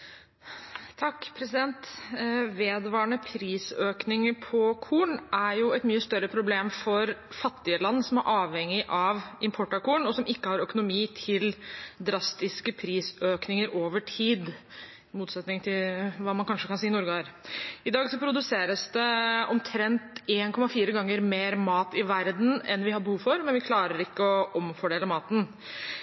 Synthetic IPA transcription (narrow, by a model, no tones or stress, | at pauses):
t̪ʰɑkːpʰɾɛsɪd̪ɛnt̪ | ʋeːd̪ʋɑːɳəpʰɾiːsøːknɪŋəpʰɔkʰuːɳæɾjʊɛt̪myːəst̪œɾːəpʰɾʊbleːmfɔɾfɑt̪ːɪəlɑnːəsɔmæɾʔɑːʋhɛŋːɪʔɑʋʔɪmpʰɔʈːɑkuːɳɔsɔmɪkːəhɑɾœkʊnʊmiːt̪ʰɪld̪ɾɑst̪ɪskəpʰɾiːsøːknɪŋəɾʔoːʋəʈʰiːd̪ | muːt̪sɛt̪nɪŋt̪ʰɪlʋɑːmɑnkʰɑnʂəkɑnsiːɪnuɾɡɾɪd̪ɑːɡsɔpʰɾʊd̪ʉseːɾəsd̪ɛɔmt̪ʰɾɛnt̪eːnkʰɔmɑfiːɾəɡɑŋːəɾmeːɾmɑːt̪ɪʋæɾd̪n̩ɛnʋɪhɑbəhuːʋfɔɾmɛnʋɪkʰlɑːɾəɾɪkːəɔʔɔmfɔɖeːləmɑːt̪ən̩